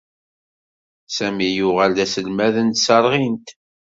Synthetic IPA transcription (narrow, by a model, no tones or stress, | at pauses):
sæmijʊʁæld̪æsəlmæðənt̪sɑɾˤʁint̪